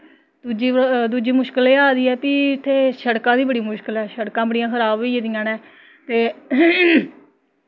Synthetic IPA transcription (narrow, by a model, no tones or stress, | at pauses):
d̪uːd͡ʒiːd̪uːd͡ʒiːmʊʃkəleːaːd̪iːɛːpiːɪt̪ʰːeːsəɽkãːd̪iːbəɽiːmʊʃkəlɛːʃəɽkãːbəɽɪjãːkʰəɾaːbʋiːed̪ɪjãːnɛː | t̪eː